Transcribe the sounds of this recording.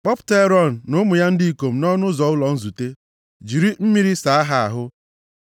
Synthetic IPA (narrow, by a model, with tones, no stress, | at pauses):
k͡pɔ˦pʊ̥˨˦te˦ɾɔ˦˨n̩ː˨ʊ˦mʊ˨ja˦n̩˦dɪ˦i˨ko˨m̩˨nɔ˦nʊ˦zɔ˨ʊ˦lɔ˨n̩˦zu˨te˦ | d͡ʒi˨ɾi˦m̩˦mi˦ɾi˦sa˨a˦ɦa˨a˨ɦʊ˦